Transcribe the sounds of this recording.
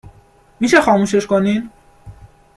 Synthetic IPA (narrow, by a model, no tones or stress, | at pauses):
miʃexɒːmuːʃeʃkonin